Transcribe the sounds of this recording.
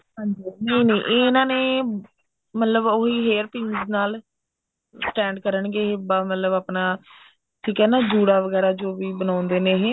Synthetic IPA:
ɦãːɲd͡ʒiːnəinẽːʔenãːneː | mət̪ləboɦiːɦeːɾpɪ̃ŋznaːl | sʈɛ̃ːɳɖkəɾəɳɡeːɦeːbaːmət̪ləbaːpnaː | ʈʰiːkɦɛːnaːd͡ʒuːɽaːʋəɡɛːɾaːd͡ʒoːʋiːbənãːʊ̃nd̪eːnẽːɦeː

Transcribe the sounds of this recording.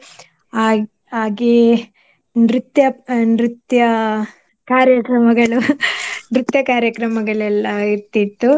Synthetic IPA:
aːɡe | nɾut̪jɐnɾit̪jɐ | kaːɾjɐkɾɐmɐɡɐɭunɾut̪jɐkaːɾjɐkɾɐmɐɡɐɭɛlːɐiɾt̪it̪ːu

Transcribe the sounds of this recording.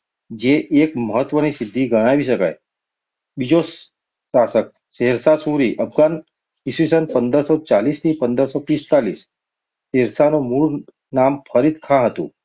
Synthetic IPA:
d͡ʒeʔekməɦət̪ːʋənisid̪ʱːiɡəɽ̃aʋiɕəka̰j | bid͡ʑosː | asək̚ | seɦɾsasuɾiːʔəpʰɡan | isʋisənpənd̪əɾsɔt͡ʃaliːst̪ĩpənd̪əɾsɔp̪ist̪aliːsː | eɾsanomuɭ | nampʰəɾid̪kʰãɦət̪ṵ̃

